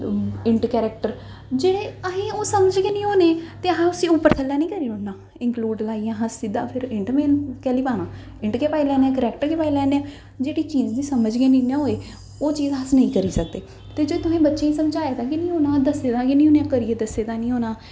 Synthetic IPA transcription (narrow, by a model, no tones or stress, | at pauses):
ɪɳʈkɛːɾək̚ʈəɾ | d͡ʒeːɽeːəɦẽːoːsəməd͡ʒɡeːnĩːoːneːt̪eːẽʊsiːʊpːəɾt̪ʰəlːaːnĩːkəɾiːɾoːnãː | ɪ̃ŋkluːɖlaːiːãːɦəsːɪd̪a̰ːpʰɪɾɪɳʈmẽːnkɛːliːpaːnãː | ɪ̃ɳʈkeːpaːilɛːnːãːkəɾɛːkʈəɾkeːpaːilɛːneãː | d͡ʒeːɽiːt͡ʃiːd͡ʒd̪ĩːsəməd͡ʒɡeːnĩːnãɦoːeː | oːt͡ʃiːzɦəsnəĩːkəɾiːsəkd̪eː | t̪eːd͡ʒoːt̪ʊɦẽːbətːʃẽːiːsəmd͡ʒaːed̪ãːkinĩːɦoːnãːd̪əseːd̪ãːkinĩːɦoːneãːkəɾiːeːd̪əseːd̪aːnĩːoːnaː